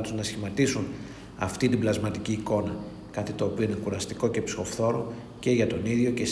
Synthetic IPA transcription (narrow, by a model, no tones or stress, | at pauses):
t̪uznɐsçimɐt̪isun | ɐ̰ft̪it̪iblɐzmɐt̪iciːko̞nɐ | kɐt̪it̪o̞ːpio̞ine̞kuɾɐst̪iko̞cepsi̥o̞fθo̞ɾo̞ | ce̞ʝɐt̪o̞niðʝo̞ces